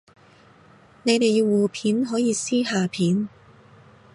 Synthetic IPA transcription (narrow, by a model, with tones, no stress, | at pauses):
ne˨˧jt̪e˨jiː˧wwuː˨pʰiː˨˥nɦɔː˨˥jiː˨˧siː˥ɦaː˨˧pʰiː˨˥n